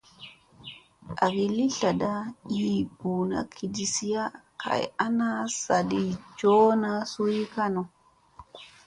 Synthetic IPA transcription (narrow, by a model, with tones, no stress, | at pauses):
ʔa˨ɡi˨li˦ɬa˨da˦jiːbuː˨na̰˦kʰi˨di˨si˦ja˦kʰa̰˨j̰ʔa˦na˦sa˨di˨d͡ʒoː˦nasu˦ji˦ka˦nɔ˨